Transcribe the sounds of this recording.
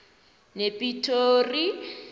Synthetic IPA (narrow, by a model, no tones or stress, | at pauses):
nepʼitʰori